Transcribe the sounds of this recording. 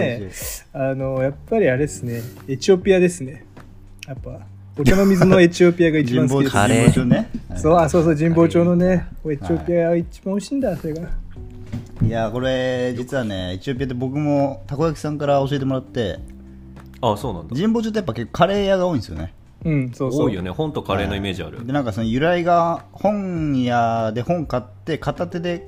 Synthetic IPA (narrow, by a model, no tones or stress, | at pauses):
eanojapːaɾʲiaɾeesɨne̞et͡ɕiopʲiad̪e̞sɨne̞ | japːa | okanomʲizɨno̞e̞t͡ɕiopʲiaɡait͡ɕid͡ʑĩam̃boːɾieoːt͡ɕoːnesoːaso̞ːsoːd͡ʑĩmbo̞ːt͡ɕo̞ːnoneoet͡ɕiopʲiaɡit͡ɕibãhoɕĩːnd̪asoɾe̞ɡa | iako̞ɾe̞d͡ʑit͡sɨβane̞̰et͡ɕio̞pʲijat̪̬ebo̞kɯ̟mo̞t̪ako̞jakʲi̥sãŋkaɾao̞ɕie̞t̪̬emo̞ɾat̪ːe̞̰ | aso̞ːnã̰nd͡ʑĩmboːt͡ɕot̪̬ːojapːake̞kːo̞̥kʰaɾe̞ːjaɡao̞ːĩsɨjo̰ne | ɯ̟̃ɴsoːoːijonehõ̞nt̪o̞kaɾe̞ːnoime̞ːʑia̰ɾɯ̟d̪e̞nãŋkaso̞nojɯ̟ɾaiɡahõ̞ŋjad̪e̞hõ̞ŋkat̪ːe̞kat̪at̪e̞d̪e̞